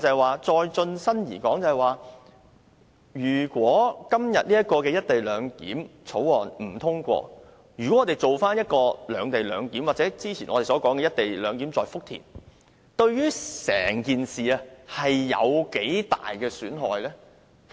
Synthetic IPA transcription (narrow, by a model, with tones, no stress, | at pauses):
t͡sɐ˨jwaː˨t͡ʃɔː˧jt͡ʃɵ˧nsɐ˥njiː˨˩kɔː˨˥ŋt͡sɐ˨˩ɐ˨jwaː˨ | jyː˨˩kʷwɔː˨˥kɐ˥mjɐ˨t̚liː˥ɐ˥t̚kɔː˧kɛː˧jɐ˥t̚t̪e˨jlœː˨˧ŋkḭː˨˥mt͡sʰo˨˥wɔː˨nm̩˨˩t̪ʰʊ˥ŋkʷɔ̰ː˧ | jy˨˩kɔ˨˦˥ŋɔː˨˧e˨jt͡so˨wfaː˥njɐ˥t̚kɔː˧lœː˨˧ŋt̪e˨jlœː˨˧ŋkiː˨˥mwaː˨k̚t͡sɛː˨˥t͡siː˥t͡sʰiː˨˩nɔ̰˨˧te˨jsɔː˨˥kɔː˨˥ŋkɛː˧jɐ˥t̚t̪e˨jlœː˨˧ŋkiː˨˥mt͡sɔː˨jfʊ˥k̚t̪ʰḭː˨˩n | t̪ɵ˧ɥɥyː˥sɛ̰ː˨˩ŋkiː˨nsiː˨a˧hɐ˨jːɐ̰˨˧wke˨˥jt̪a̰ː˨jkɛː˧syː˨˥nɦɔː˨jlɛː˥